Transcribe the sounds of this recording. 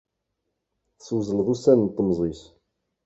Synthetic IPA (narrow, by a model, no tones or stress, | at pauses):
θswzəlðˤusænnt̪ˤːəmzˤis